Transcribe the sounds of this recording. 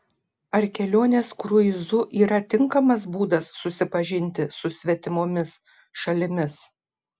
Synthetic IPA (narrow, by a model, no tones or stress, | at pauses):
ɐɾkʲɛlʲoːnʲeːskɾʊɪzʊʔiːɾɐt̪ʲɪŋkɐmɐs̬buːd̪ɐsːʊsʲɪpɐʒʲɪnʲt̪ʲɪsʊsʲʋʲɛt̪ʲɪmoːmʲɪs | ʃɐlʲɪmʲɪs